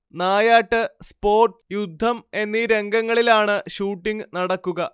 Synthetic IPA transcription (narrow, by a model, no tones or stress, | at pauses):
naːjaːʈːɨspo̞ːrʈjud̪ʱːɐme̞nːiɾe̞ŋɡɐŋːɐɭilaːɳɨɕuːʈːiŋɨnɐɽɐkːuɣɐ